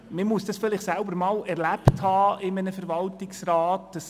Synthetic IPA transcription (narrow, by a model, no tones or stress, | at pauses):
mɪmusd̥ɑsfɪlɪχtsælbəɾmɑːlɛɾlæpthɑːɪmənəfəɾvɑltɪksɾɑːtd̥ɑs